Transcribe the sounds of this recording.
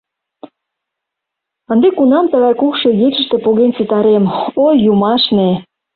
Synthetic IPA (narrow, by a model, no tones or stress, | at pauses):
ə̆nd̪ekunɑmt̪əɣɑjkukʃejet͡ɕə̆ʃt̪e̽poɣent͡sit̪ɑɾemojːumɑʃne